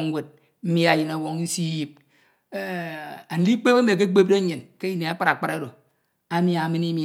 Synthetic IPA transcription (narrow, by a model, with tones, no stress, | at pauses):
ŋ˦we˨d̚ | m̩˦mi˦a˨ji˨na˨wo˨ŋ˦si˦ji˦p̚ | a˨n̩˦di˦k͡pe˦ka˦me˨ke˦k͡pe˦b̚de˦ɲe˨nke˦i˦ne˨a˦k͡pa˦a˨k͡pa˦ɾa˦do˨ | a˦mi˦a˨mi˦ni˦mi˨